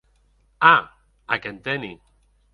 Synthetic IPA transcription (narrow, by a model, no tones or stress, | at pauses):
a | akent̪eni